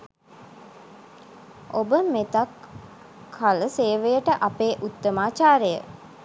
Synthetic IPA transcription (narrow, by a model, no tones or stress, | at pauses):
ʔobəmet̪akʰː | aləseːʋejəʈəʔapeːʔut̪ːəmaːt͡ʃaːɾəjə̰